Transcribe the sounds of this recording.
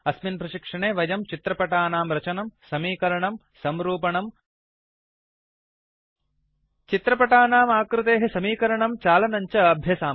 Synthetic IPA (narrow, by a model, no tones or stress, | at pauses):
ɐsminpɾɐʃikʂɐɳeːʋɐjɐmt͡ʃit̪ɾɐpɐʈaːnaːmɾɐt͡ʃɐnɐmsɐmiːkɐɾɐɳɐm | sɐmɾuːpɐɳɐm | t͡ʃit̪ɾɐpɐʈaːnaːmaːkɾɪt̪eːɦɐsɐmiːkɐɾɐɳɐmt͡ʃaːlɐnɐɲt͡ʃɐɐbʱjɐsaː